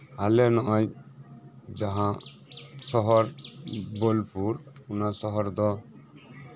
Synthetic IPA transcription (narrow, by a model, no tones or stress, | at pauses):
alɛnɔʔɔj | d͡ʒaɦã | sɔɦɔɾbolpuɾunasɔɦɔɾd̪ɔ